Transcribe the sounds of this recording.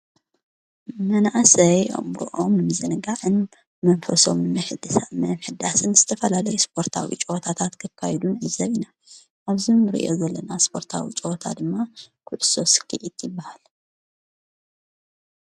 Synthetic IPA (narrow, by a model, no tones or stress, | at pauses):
mɐnaʔsɐjɐ̰mɾṵʔo̞mnɨmɨzɨnɨɡaʕɨn | mɐnfɐso̞̰mnɨmɨħɨd̪ɨsamɐmħɨd̪asɨnzɨt̪ʰɐfɐlalɐjuspʰo̞ɾt̪ʰa̰wḭt͡ʃʼɨwot̪ʰat̪ʰat̪kʰɨkʰːajɛd̪unʕɨzɐβina | ʔaβzimɾḭʔo̞̰zɐlːɐnaspʰo̞ɾt̪ʰa̰wḭt͡ʃʼɨwot̪ʰa̰d̪ɨmːakʰʊʕso̞sɨ̥kʰːɨʕit̪jɪbːahal